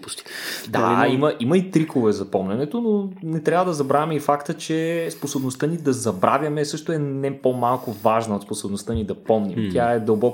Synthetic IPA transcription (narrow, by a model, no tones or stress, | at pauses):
pust̪id̪aliiməʔimɐit̪ɾikovɛzɐpɔmnʲɐnɛt̪ononɛt̪ɾʲavəd̪ɐzɐbɾavʲɐmɛifakt̪ət͡ʃɛsposobnost̪ənid̪ɐzɐbɾavʲjɐmɛsɤʃt̪oɛnɛpomalˠkʊvaʒnɐot̪sposobnost̪ɤnid̪ɐpɔmnimt̪jaɛd̪əlˠbɔk